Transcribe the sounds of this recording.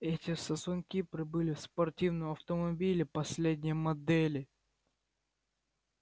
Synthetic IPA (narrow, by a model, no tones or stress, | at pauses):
ɛtʲɪsɐsʊnʲkʲipɾʲɪbɨlʲɪfspɐrtʲivnəmɐft̪əmɐbʲilʲɪpɐsʲlʲed̪ʲnʲɪjmɐd̪ɛlʲɪ